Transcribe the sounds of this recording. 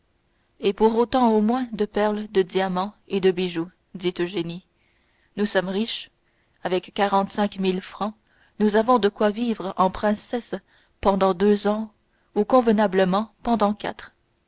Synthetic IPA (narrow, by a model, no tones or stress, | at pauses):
epuʁot̪ɑ̃omwɛ̃d̪əpɛʁld̪əd̪jamɑ̃ed̪əbiʒu | d̪it̪øʒeni | nusɔmʁiʃ | avɛkːaʁɑ̃t̪sɛ̃kmilfχɑ̃ | nuzavɔ̃d̪əkwavivʁɑ̃pχɛ̃sɛs | pɑ̃d̪ɑ̃d̪øzɑ̃ | ukɔ̃vənabləmɑ̃pɑ̃d̪ɑ̃kʲa̰t̪χ